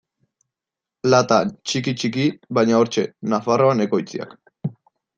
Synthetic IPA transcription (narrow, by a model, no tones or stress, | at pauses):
lat̪at͡ʃikit͡ʃikiβajɲao̞ɾt͡ʃe̞nafaro̞ane̞ko̞jt͡sia̰k